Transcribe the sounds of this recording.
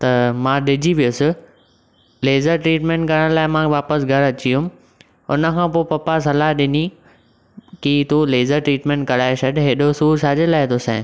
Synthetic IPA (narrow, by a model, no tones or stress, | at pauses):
t̪ɐmãːɗɪd͡ʑiʋijʊsɪ | leːzəɾʈɾiːʈmẽːɳʈ̚kɐɾəɽ̃laːɪmãʋaːpəsɡʱɐɾɐt͡ɕiʊm | ʊ̰nə̆kʰãːpoːpɐpasɐlaɗɪni | kit̪oleːzəɾʈɾiːʈmẽːɳʈ̚kɐɽaːesɐɖɦeːɗosuːɾsʰaːd͡ʑelaːɪt̪ʰosɛ̃ː